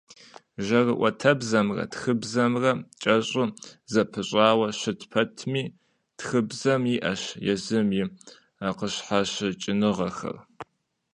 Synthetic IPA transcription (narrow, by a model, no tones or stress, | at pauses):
ʒɐrɨʔʷɐtʰɐbzɐmrɐ̰txɨbzɐmrɐt͡ʃʼɐɕʼʊzɐpʰɨɕʼaːwɐɕɨtpʰɐtʰmiː | txɨbzɐmiʔɐɕjɛzɨmjɪ | aːqəɕħaɕɨt͡ʃʼɪnɨʁɐxɐ̰r